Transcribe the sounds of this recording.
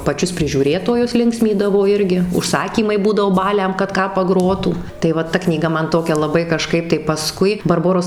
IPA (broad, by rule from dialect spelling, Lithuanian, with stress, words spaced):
pɐˈt͡ʃʲʊs pʲrʲɪʒʲuːˈrʲeːtoːjʊs ˈlʲɪŋksʲmʲiːdɐʋoː ˈɪrʲɡʲɪ ʊʃˈsɑːkʲiːmɐɪ ˈbuːdɐʋoː ˈbɑːlʲɛm kɐt ˈkɑː pɐˈɡroːtuː tɐɪ ˈʋɐ tɐ knʲiːˈɡɐ ˈmɐn ˈtoːkʲɛ lˠɐˈbɐɪ kɐˈʃkɐɪp tɐɪ pɐˈskʊɪ bɐrˈboːroːs